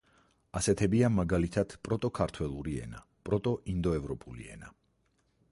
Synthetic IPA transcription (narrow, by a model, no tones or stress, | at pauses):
asɛt̪ʰɛbiamaɡalit̪ʰad̪̥pʼɾɔt̪ʼɔkʰaɾt̪ʰwɛlˠuɾiɛ̰na̰ | pʼɾɔt̪ʼɔʔind̪ɔɛvɾɔpʼulḭɛ̰na